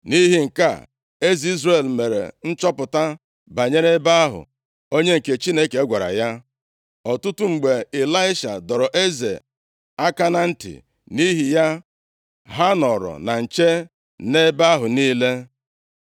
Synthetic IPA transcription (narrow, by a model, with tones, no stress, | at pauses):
ni˦ɦi˨ŋ̩˨ka̰˦˨ | e˦zi˦zɾe˨lme˨ɾḛ˨n̩˦t͡ʃɔ˦pʊ˨ta˦ | ba˨ɲe˦ɾe˦ba˦a˦ɦʊ̰˨ | o˦ɲe˦ŋ̩˨ke˨t͡ʃi˦ne˦ke˨˦ɡʷa˨ɾa̰˨ja˦ | ɔ˨tʊ˦tʊ˦ŋ͡m̩˨ɡ͡be˨e˨la˦ɪ˦ʃa̰˨dɔ˨ɾɔ˨ʔe˦zḛ˨ | a˦ka˦na˦n̩˦tḭ˨ | ni˦ɦi˨ja˦ | ɦa˦nɔ˨ɾɔ̰˨na˨n̩˨t͡ʃe˦ | ne˦ba˦a˦ɦʊ˨niː˦le˦